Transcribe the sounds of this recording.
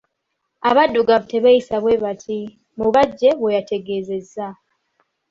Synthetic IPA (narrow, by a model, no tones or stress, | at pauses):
aβadːuɡaβuteβajisaβwe̞βatʰi | muβaɟːe̞βwejate̞ɡe̞ːze̞zːa